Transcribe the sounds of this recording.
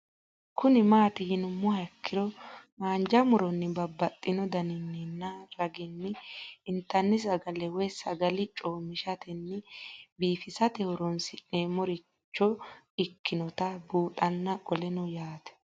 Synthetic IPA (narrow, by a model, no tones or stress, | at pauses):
kʊnɪmaːt̪ɪjɪnʊmːʊhɐkʰːɪɾɔmaːnd͡ʒɐmʊɾɔnːɪbɐbːɐt̪ʼːɪnɔd̪ɐnɪnːɪnːɐɾɐɡɪnːɪɪnt̪ːɐnːɪs̬ɐɡɐlɛwɛsɐɡɐlɪt͡ʃʼoːmɪʃɐt̪ɛnːɪbiːfɪsɐt̪ɛhʊɾɔnsɪneːmɔɾɪ | t͡ʃːɔ | ɪkːɪnɔt̪ɐbuːᶑɐnːɐkʼɔlɛnʊjaːt̪ɛ̥